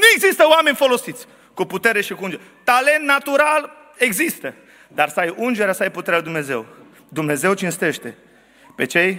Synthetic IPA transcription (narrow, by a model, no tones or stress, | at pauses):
nue̞ɡzist̪əoame̞nʲfo̞lo̞sit̪sʲ | kuput̪e̞ɾeʃikuund͡ʒeɾet̪ale̞nt̪nat̪uɾal | e̞ɡzist̪ə | d̪arsəajund͡ʒeɾeasəajput̪eɾealuid̪umne̞ze̞̰w | d̪umne̞ze̞wt͡ʃinst̪e̞ʃt̪e̞ | pe̞t͡ʃe̞j